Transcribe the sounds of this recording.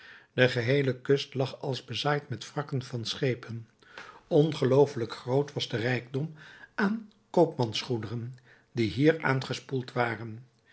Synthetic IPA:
d̥əχəɦejləkɵstlɑχɑlˠzbəzaːjtmɛtfrɑkənvɑnsχejpən | ɔnχəlowfələkχrowtʋɑzdərɛjɡdɔmʔaːn | kowpmɑnsχudərən | diɦiːɹʔa̰ːnχəspulˠtʋaːrən

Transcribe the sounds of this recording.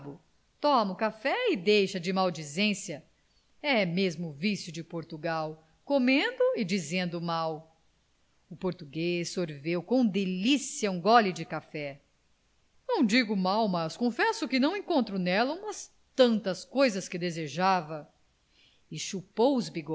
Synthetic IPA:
bʊ | t̪ɔmɐʊkafɛɪd̪ejʃɐd͡ʒɪmawd͡ʒizẽsjɐ | ɛmezmʊːvisjʊd͡ʒɪpoɾt̪uɡaw | komẽnd̪ʊɪd͡ʒizẽnd̪ʊmaw | ʊpoɾt̪uɡesːoɾvewkõd̪elisijɐũɡɔlɪd͡ʒɪkafɛ | nɐ̃w̃d͡ʒiɡʊmawmɐskõfɛsʊkɪnɐ̃w̃ẽŋkõnt̪ɾʊnɛlɐũmɐs | t̪ɐ̃nt̪ɐskojzɐskɪd̪ezeʒavɐ | ɪʃupowʊzbiɡ

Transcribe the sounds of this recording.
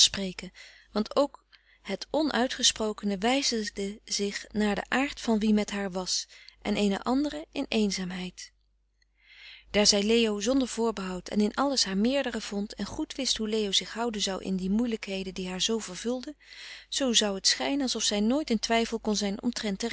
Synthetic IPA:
sprejkənʋɑntʰowk | ɦətɔnʔœɥtχəsprowkənəʋɛjzədəz̥ɪχnaːɹdə̰ʔaːɹtfɑnʋimɛtɦaːɹʋɑsʔɛ̰nʔejnə̰ʔɑndərəʔɪnejnzaːmɦɛjt | d̥aːɹzɛjlejowzɔndəɹv̥ʊːɹbəɦɑwtʰɛ̰nɪnʔɑləsɦaːɹmɪːɹdərəv̥ɔntʰɛnχutʋɪstɦulejowzɪχɦʌwdənzɑwʔɪ̰ndimujləkɦejdəndiɦaːɹzowvəɹv̥ɵlˠdəz̥owzɑwətsχɛjnənɑlˠsɔfsɛjnoːjtɪntʋɛjfəlˠkɔnzɛjnɔ̰mtrɛntə

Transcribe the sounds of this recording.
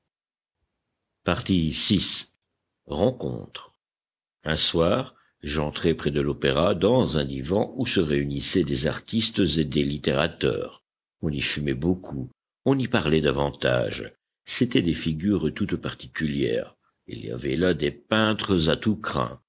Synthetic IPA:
paʁt̪isis | ʁɑ̃kɔ̰̃t̪χə | ɛ̃swaːʁ | ʒɑ̃t̪χɛpχɛd̪əlopeʁad̪ɑ̃zɛ̃d̪ivɑ̃ʔusəʁeynisɛd̪eza̰ʁt̪ist̪zed̪elit̪eʁat̪œ̰ːʁ | ɔ̃nifymɛbokʰu | ɔ̃nipaʁlɛd̪avɑ̃t̪a̰ːʒ | set̪ɛd̪efiɡʲyʁt̪ut̪paʁt̪i̥kʲyljɛ̰ːʁ | ḭlḭa̰vɛlad̪epɛ̃t̪χəzat̪ukχɛ̰̃

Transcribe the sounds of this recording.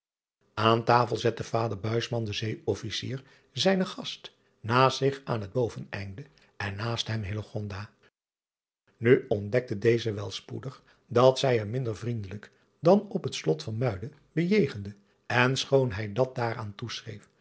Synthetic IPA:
ʔaːntaːfəlˠzɛtəv̥aːdəɹbœɥsmɑndəzejɔfisḭːɹ | zɛjnəχɑst | naːsɪχaːnɦəd̚bowvənɛ̰jndə | ɛnːaːstɦɛmɦɪləχɔndaː | nyɔndɛk̚tədejzəʋɛlˠspṵdəχ | dɑtsɛjəɹmɪndəɹvrindələk | dɑnɔpɦətslɔtfɑnmœɥdə | bəjejχəndə | ɛnsχownɦɛjdɑt̚daːɾaːntusrḛjf

